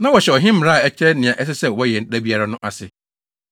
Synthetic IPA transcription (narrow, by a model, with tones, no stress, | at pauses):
nã˦wɔ˨ɕɛ˨ɔ˨ɦɪ̃˦m̩˦m˨ɾa˦a˨ɛ˦t͡ɕʰɾɛ˦nɪ̃˨ã˨ʔɛ˦s̬ɪ˦sɛ˦wɔ˦jɛ˨n̩˦ɗæ˦bi˦a˦ɾa˦nʊ̃˦ʔa˨sɪ˨